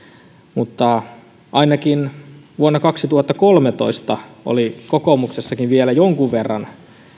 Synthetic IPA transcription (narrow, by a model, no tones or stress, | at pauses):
mut̪ːɑ | ʔɑinɑkinʋuonːɑkɑksit̪uhɑt̪ːɑkolmet̪o̰ist̪ɑʔo̰likokomuksesːɑkiʋʋielæjoŋkuʋʋerːɑ̰n